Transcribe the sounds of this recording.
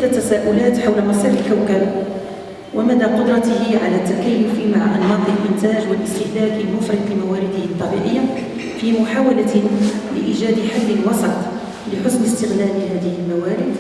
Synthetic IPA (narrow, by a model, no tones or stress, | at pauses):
d̪æt̪ːæsæːʔʊlæːt̪ħawlmɑsæləlʔawkæb | wʔəmæd̪æqʊd̪ɾˤɑt̪əhɪʕalæt̪ːækæjːʊfimaʕʔanːɑd̪ˤilʔɪnt̪æʒwəlʔəst̪ɪhlæd̪əlmʊfɾɑd̪fimawæɾɪd̪əhət̪ˤːɑbḭʕə̰jːa | fimʊħawalælə̰ʔiʒæd̪ħalːənwɑsˤɑt̪ˤ | ləħʊsməst̪əɣlæləhæːd̪əhəlmæwæɾɪd̪